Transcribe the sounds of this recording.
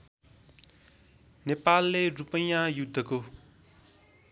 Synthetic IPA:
nepalːerupʌ̃jãjud̪ʱːʌko

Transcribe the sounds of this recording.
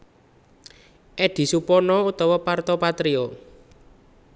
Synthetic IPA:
ʔɛɖ̥i̤supɔnɔut̪ɔwɔpart̪ɔpat̪ɾiɔ

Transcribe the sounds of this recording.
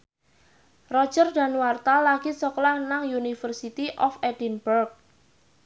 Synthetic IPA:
rɔ̥d͡ʒərda̤nwart̪alaɡ̥isɔklanaŋjunifərsit̪iʔɔfɛd̥inbərk̚

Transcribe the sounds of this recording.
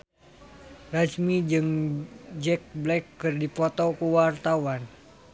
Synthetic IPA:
rasmid͡ʒɨŋd͡ʒɛk̚blɛkːɨrdipɔt̪ɔkuwart̪awan

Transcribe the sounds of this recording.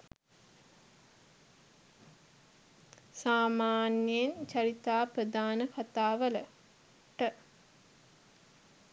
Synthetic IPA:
saːmaːnjent͡ʃɐɾit̪aːprəd̪aːnəkʰat̪aːʋələ | ʈə

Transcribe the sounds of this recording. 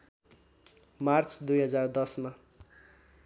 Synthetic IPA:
mart͡sd̪ujɦʌd͡zard̪ʌsma

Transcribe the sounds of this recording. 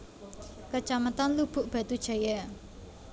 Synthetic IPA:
kət͡ʃamət̪anlub̥ʊ̤ʔb̥ä̤t̪ud̥ʒ̥a̤ja

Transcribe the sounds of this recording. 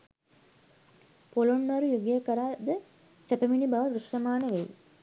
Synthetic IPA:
polonːɐɾujuɡijəkəɾad̪ə | t͡ʃəpeminibaʋəʋɾuʂrɐmaːnəʋej

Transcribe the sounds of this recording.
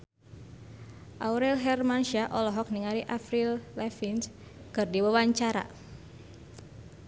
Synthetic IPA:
ʔauɾɛlɦɛrmanʃiaʔɔlɔɦɔk̚niŋaliʔafɾillɛfinskɨrdiwawaɲt͡ʃaɾa̰

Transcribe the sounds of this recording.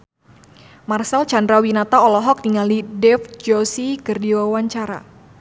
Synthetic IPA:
marsalt͡ʃandɾawinat̪aɔlɔɦɔk̚niŋalidɛfd͡ʒɔsikərdiwawaɲt͡ʃaɾa̰

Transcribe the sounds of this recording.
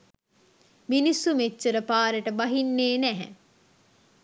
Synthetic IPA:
minisːumet͡ʃːeɾəpaːɾeʈəbɐɦinːeːnæɦɛ̰

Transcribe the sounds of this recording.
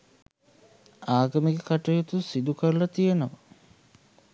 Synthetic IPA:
aːɡəmeɡekaʈəjot̪usid̪ukəɾlɐt̪ijenəʋɐ

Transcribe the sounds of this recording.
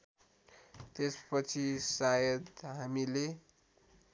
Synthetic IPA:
t̪espʌt͡sʰisajʌd̪ɦamile

